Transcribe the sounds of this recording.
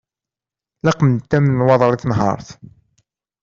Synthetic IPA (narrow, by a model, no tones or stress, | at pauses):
lɑqmənt̪ːæmnnwɑðˤɾˤiθnɦɑ̰ɾˤθ